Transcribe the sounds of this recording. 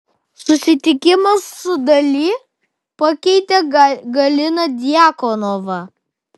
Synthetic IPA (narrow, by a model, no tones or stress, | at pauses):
sʊsʲɪt̪ʲɪkʲɪmɐsːʊd̪ɐlʲiː | pɐkʲɛɪt̪ʲɛɡɐlʲɪnɐd̪ʲɪjækɔnoʋɐ